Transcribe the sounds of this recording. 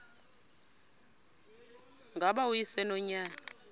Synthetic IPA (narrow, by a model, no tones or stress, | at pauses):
ŋɡʱaɓaujisɛnɔɲaːna